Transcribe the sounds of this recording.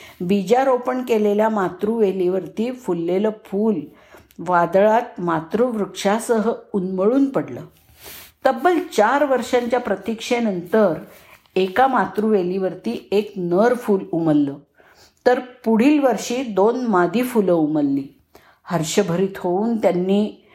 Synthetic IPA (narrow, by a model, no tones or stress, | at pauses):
bid͡ʑaɾopəɳkeleljamat̪ɾuʋeliːʋəɾt̪iːfulːeləfʰuːl | ʋad̪ɭat̪̚mat̪ɾuʋɾukʂasəɦəunməɭuːnpəɽlə̰ː | t̪əbəlt͡ɕaɾʋəɾʂaɲt͡ɕjapɾət̪ikʂenənt̪əɾ | ekamat̪ɾuːʋeliʋəɾt̪iːeknəɾfuːluməlːəː | t̪əɾpuɽ̤iːlʋəɾʂiːd̪onmad̪ʱiːfuləuməlːiː | həɾɕəbʱəɾiːt̪ɦouːnt̪janːiː